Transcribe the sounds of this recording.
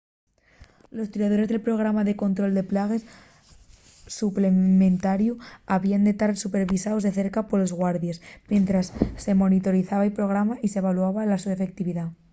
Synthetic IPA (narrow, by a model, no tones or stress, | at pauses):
lo̞st̪iɾað̞o̞ɾe̞zðe̞lpɾo̞ɣ̞ɾamaðe̞ko̞nt̪ɾo̞ld̪e̞plaɣ̞e̞s | suple̞mẽ̞nt̪aɾjuaβiand̪e̞t̪aɾsupe̞ɾβisaozðe̞θe̞ɾkapo̞ɾlo̞zɣwaɾðjesmje̞nt̪ɾasːe̞mo̞nit̪o̞ɾiθaβaipɾo̞ɣ̞ɾamaʔiseβ̞aluaβalasue̞fe̞k̚t̪iβiða